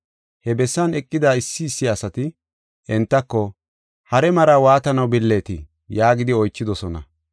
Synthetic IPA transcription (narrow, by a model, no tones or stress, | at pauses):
hɛbɛsːɐnɛkʼːɪd̪aːɪsːɪːsːɪɐsɐt̪ɪ | ɛnt̪ːɐkːɔ | hɐɾɛmɐɾaːwaːt̪ɐnɐwbɪlːe̞ːt̪ɪ | jaːɡɪd̪ɪɔjt͡ʃːɪd̪ɔsɔnɐ̰